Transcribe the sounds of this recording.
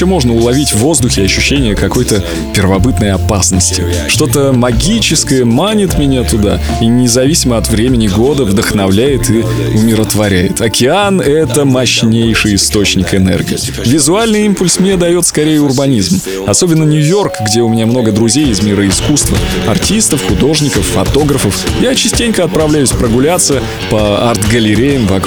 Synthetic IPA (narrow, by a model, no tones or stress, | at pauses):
omo̞ʐnəʊlˠɐvʲitʲvːo̞zd̪ʊxʲɪɐɕːʉɕːenʲɪjəkɐko̞jt̪ə | pʲɪrvɐbɨt̪nəjɐpasnəsʲtʲɪ | ʂt̪o̞t̪əmɐɡʲit͡ɕɪskəjəmanʲɪt̪mʲɪnʲat̪ʊd̪a̰ | inʲɪzɐvʲisʲɪməɐt̪vɾʲemʲɪnʲɪɡo̞d̪əvd̪əxnɐvlʲæjɪt̪ɨ | ʊmʲɪɾət̪vɐɾʲæjɪt̪ɐkʲɪanɛt̪əmɐɕnʲejʂɨjɪst̪o̞t͡ɕnʲɪkɨnɛ̰rɡʲɪ̰ː | vʲɪzʊalʲnɨjimpʊlʲsmnʲed̪ɐjo̞t̪skɐɾʲejəʊrbɐnʲizm | ɐso̞bʲɪnːənʲʊjo̞rkɡdʲe̞ʊmʲɪnʲamno̞ɡəd̪ɾʊzʲejɪzmʲiɾəɪskust̪və̰ɐ̰rtʲist̪əfxʊd̪o̞ʐnʲɪkəfːɐt̪o̞ɡɾəfəfjat͡ɕɪsʲtʲenʲkəɐt̪̚pɾɐvlʲæjʉsʲpɾəɡʊlʲat̪sə | pəart̪ɡəlʲɪɾʲejəmvɐk